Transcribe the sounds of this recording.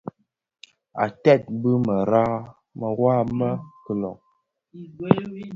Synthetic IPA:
a̰˨tɛ˦˨t̚bɨ˦mə˨ɾa˦ | mə˨ɣwa˦mə˦kə˨lɔ̰˨k̚

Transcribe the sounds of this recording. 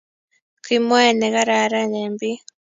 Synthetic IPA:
kʰi˨mwa˦˨ne˨ɣa˦ɾa˨ɾa˦neː˨mbi˦

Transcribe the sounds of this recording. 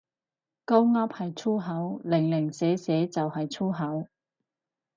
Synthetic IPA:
kɐ˥wŋɐ˥p̚hɐ˨jt͡sʰuː˥ɦɐ˨˥wlɪ˨˩ŋlɪ˨˩ŋsɛː˨˥sɛː˨˥t͡sɐ˨whɐ˨jt͡sʰuː˥ɦɐ˨˥w

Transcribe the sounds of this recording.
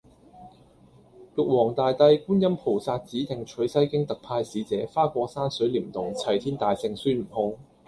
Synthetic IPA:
kʊ˨k̚wɔː˨˩ŋt̪aː˨jt̪ɐ˧jkuː˥njɐ˥mpʰo˨˩wsaː˧t̚t͡siː˨˥t̪ʰɪ˨˩ŋt͡ʃʰɵ˨˥ɥsɐ˥jkɪ˥ŋt̪ɐ˨k̚pʰaː˧jsiː˨˧˥t͡sɛː˨˥faː˥kʷɔː˧saː˥nsɵ˨˥ɥliː˨˩mt̪ʊ˨˩ŋt͡sʰɐ˨˩jt̪ʰiː˥nt̪aː˨jsɪ˧ŋsyː˥m̩˨˩hʊ˧˥ŋ

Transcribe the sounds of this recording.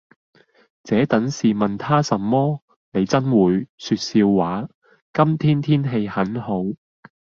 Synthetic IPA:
t͡sɛː˨˥t̪ɐ˨˥nsiː˨mɐ˨nt̪ʰaː˥sɐ˨mːɔː˥ | ne˨˧jt͡sɐ˥nwuː˨˧jsyː˧t̚siː˧wːaː˨˥ | kɐ˥mt̪ʰiː˥nt̪ʰiː˥nɦe˧jhɐ˨˥nho˨˥w

